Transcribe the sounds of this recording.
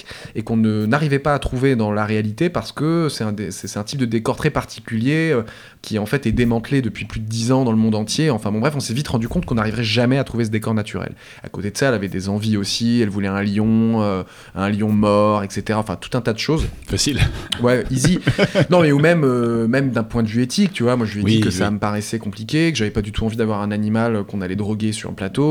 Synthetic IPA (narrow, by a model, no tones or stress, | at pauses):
ekɔ̃nənaʁivɛpaːt̪χuved̪ɑ̃laʁealit̪epaʁsə̥kəsɛt̪ɛ̃d̪esɛsɛ̥t̪ɛ̃t̪ip̚d̪əd̪ekɔʁt̪χɛpaʁt̪ʰi̥kʲyljeø | kʲiɑ̃fɛt̪ɛd̪emɑ̃t̪led̪əpɥiplyd̪əd̪izɑ̃d̪ɑ̃ləmɔ̃d̪ɑ̃t̪jeɑ̃fɛ̃bɔ̃bʁɛfɔ̃sɛvit̪ʁɑ̃d̪ykɔ̃t̪̚kɔ̃naʁivʁɛʒamɛat̪χuvesəd̪ekɔʁnat̪ʰy̰ʁɛ̰l | a̰kot̪ed̪əsaɛlavɛd̪ezɑ̃viosiɛlvulɛɛ̃ljɔ̃ø | ɛ̃ljɔ̃mɔʁɛkset̪eʁaɑ̃fɛ̃t̪u̥t̪ɛ̃t̪ad̪əʃozfasilwɛizinɔ̃mɛumɛmømɛmd̪ɛ̃pwɛ̃d̪əvyet̪ik̚t̪yvwamwaʒəieikəsaməpaʁɛsɛkɔ̃plikʲekəʒavɛpad̪yt̪ʰuɑ̃vid̪avwaʁɛ̃nanimaløkɔ̃nalɛd̪ʁɔɡʲesy̰ʁlə̰plat̪o